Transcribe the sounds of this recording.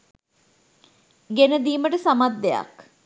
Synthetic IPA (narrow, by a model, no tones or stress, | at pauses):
ɡenəd̪iːməʈəsamad̪ːeja̰k